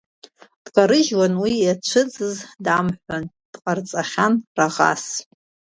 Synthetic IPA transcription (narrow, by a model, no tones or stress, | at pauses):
d̥kʼaɾɨʒwanwijat͡ʃʷʰɨd͡zɨzdamħʷan | d̥qʼart͡sʼaχʲanraʁa̰s